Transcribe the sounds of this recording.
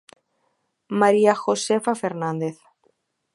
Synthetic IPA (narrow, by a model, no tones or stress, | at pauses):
maɾiaxosefafeɾnãnd̪eθ